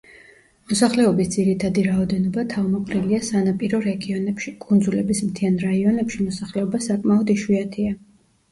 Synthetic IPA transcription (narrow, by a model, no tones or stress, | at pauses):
mɔsaχlɛɔbisd̪z̥iɾit̪ʰad̪iɾaɔd̪ɛnɔbat̪ʰavmɔqʼɾiliasanapʼiɾɔɾɛɡiɔnɛpʃikʼund̪zulɛbismt̪ʰianɾaiɔnɛpʃimɔsaχlɛɔbasakʼmaɔd̪iʃwiat̪ʰia